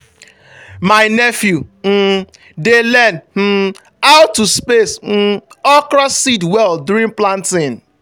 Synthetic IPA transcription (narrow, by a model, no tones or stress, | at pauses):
maɪnɛfjum̩ | delɛnm̩ | aʊtːuspes̩ɔkɾɔssidwɛldʊɾĩnplãntɪ̃n